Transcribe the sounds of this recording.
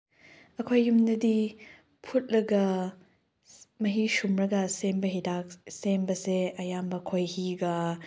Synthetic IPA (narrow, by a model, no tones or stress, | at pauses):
ɐkʰojːumnɐdi | pʰut̚lɐɡɐ | mɐɦisumɾɐɡɐsembɐɦidak̚sembɐseɐjambɐkʰojhiɡɐ